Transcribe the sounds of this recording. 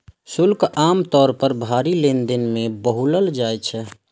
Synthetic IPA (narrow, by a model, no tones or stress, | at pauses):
sʊlkaːmt̪ɔːɾpəɾbʱaːɾilend̪ɪnmẽbəɦuləld͡ʒaːjt͡ʃʰɛ